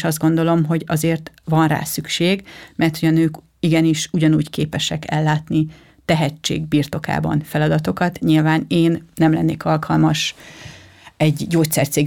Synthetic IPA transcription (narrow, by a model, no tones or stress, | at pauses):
ʃɒzd̪ɡo̞nd̪o̞lo̞mɦo̞ɟɒzeːrt̪vɒnra̰ːsykʃeːɡmʔɛrt̪hʰo̞ɟɒnøːk | iɡɛniʃuɟɒnuːɟkeːpɛʃɛkɛlːaːt̪ni | t̪ɛɦɛt͡ʃːḛːɡ̚biːrt̪o̞ka̰ːbɒ̰nfɛlɒd̪ɒt̪o̞kɒt̪ɲilvaːneːnːɛmlɛnːḛːkɒlkʰɒlmɒʃ | ɛɟɟoːt̪sɛ̰rt̪seːɡ